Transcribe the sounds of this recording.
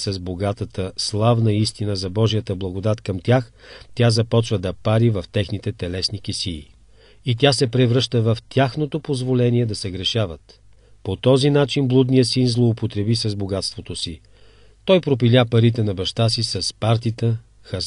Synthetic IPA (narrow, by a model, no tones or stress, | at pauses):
sɐzboɡat̪ət̪əslˠavnəist̪inəzɐbɔʒijət̪əblˠɐɡod̪at̪kɐmt̪ʲjax | t̪ʲazɐpɔt͡ʃvəd̪ɐpaɾivɐft̪ɛxnit̪ɛt̪ɛlɛsnik̟isiː | it̪ʲasɛpɾɛvɾɤʃt̪əvɐft̪ʲjaxnot̪opozvolɛniɛd̪ɐsɛɡɾɛʃavət̪ | pot̪ɔzinat͡ʃinblˠud̪nijəsinzlˠoːpot̪ɾɛbisɐzboɡat̪st̪vot̪osi | t̪ɔjpɾop̬ilʲapɐɾit̪ɛnɐbɐʃt̪asisɐspaɾt̪it̪ə | xɐ